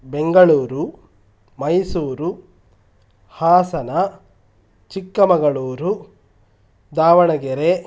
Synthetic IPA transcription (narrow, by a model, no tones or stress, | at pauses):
beŋɡɐɭuːɾu | mɐjsuːɾu | haːsɐnɐ | t͡ʃikːɐmɐɡɐɭuːɾu | d̪aːʋɐɳɐɡeɾe